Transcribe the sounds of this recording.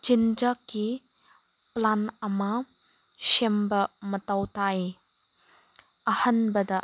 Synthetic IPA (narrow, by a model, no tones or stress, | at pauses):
t͡ʃind͡ʒaki | planɐma | ʃembɐmɐtawtaj | ɐhɐnbɐdɐ